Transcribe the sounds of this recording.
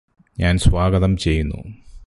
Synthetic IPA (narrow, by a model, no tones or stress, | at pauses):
ɲaːnsʋaːɡɐðɐmt͡ɕe̞jːunːṵ